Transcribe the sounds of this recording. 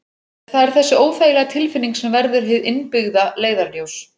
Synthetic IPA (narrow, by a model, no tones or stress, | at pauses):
θaðɛɾ̥θɛsːɪoːwfaːjlaɣt̪ʰɪlfɪnːiŋksɛmvɛɾðʏɾ̥ɦɪðɪnpɪɣðaleːjðaɾljoːws